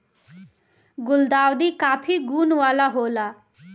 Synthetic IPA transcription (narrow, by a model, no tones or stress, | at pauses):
ɡuld̪awd̪ikapʰiɡunwalaɦola